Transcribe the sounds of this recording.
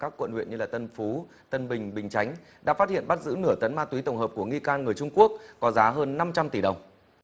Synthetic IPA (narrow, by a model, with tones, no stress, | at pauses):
kaː˦˥kːwə̰˧˨nhwḭ˧˨ənɲɨ˧laː˨˩t̪ə˧nfu˨˦ | t̪ə˧nɓï˨˩ŋ̟ɓï˨˩ŋ̟t͡ɕa˨˦jŋ̟ | ɗa̰ː˧˥faː˦˥t̚hḭ˧˨ənɓa˦˥t̚zɨ̰˧˥nɨ˧˩ət̪ə˨˦nmaː˧t̪wi˨˦t̪ə˨˩wŋ͡mɦəː˨˩p̚ku˧˩əŋi˧kaː˧nŋɨ˨˩əjt͡ɕʊ˧ŋ͡mku˦˥ək̚ːɔ˨˦zaː˨˦ɦəː˧nːa˧mt͡ɕa˧mt̪i˧˩ɗə˨˩wŋ͡m